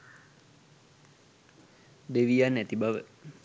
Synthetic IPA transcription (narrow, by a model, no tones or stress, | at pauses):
deʋianːat̪ibaʋə